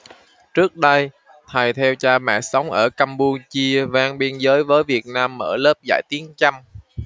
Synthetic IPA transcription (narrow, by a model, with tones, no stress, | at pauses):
t͡ɕɨ˦˥ək̚ɗə˧j | t̪ʰa˨˩jt̪ʰɛ˧wt͡ɕaː˧mɛ̰˧˨sa˨˦wŋ͡mʔəː˧˩kaː˧mpu˧t͡ɕi˧əvaː˧ŋɓi˧ənzəː˨˦jvəː˨˦jvi˨˩ət̚naː˧mːə̰ː˧˩ləː˦˥p̚za̰ː˧˩jt̪i˨˦ənt͡ɕa˧m